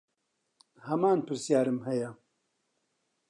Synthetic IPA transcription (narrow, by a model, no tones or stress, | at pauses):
hɐmaːnpɨɾsjaːɾɨmhɛjɛ